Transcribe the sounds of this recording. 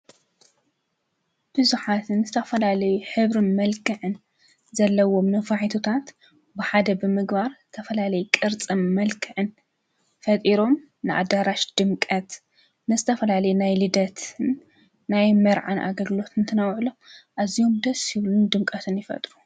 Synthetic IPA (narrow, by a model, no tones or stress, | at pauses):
b̥ɨzuħat̪ʰɨnzɨt̪ʰɐfɐlalɐjuħɨβɾɨnmɐlkʰɨʕɨn | zɐlːɐwo̞mnɨfaħit̪ʰot̪ʰat̪ | bɨħad̪ɐbɨmɨɡbaɾzɨt̪ʰɐfɐlalɐjukʼɨɾt͡sʼɨmːɐlkʰɨʕɨn | fɐt̪ʼiɾo̞m | nɨʔa̰d̪aɾaʃd̪̥ɨmkʼɐt̪ | nɨzɨt̪ʰɐfɐlalɐjunajlɨd̪ɐt̪ʰɨnː | ajmɐɾʕa̰nʔa̰ɡɐɡɨlo̞t̪ɨnt̪ʰɐnɐwʕlo̞mʔazijo̞md̪ɐsjɪβlund̪ɨmkʼɐt̪ʰɨnjɪfɐ̰t̪ʼɾu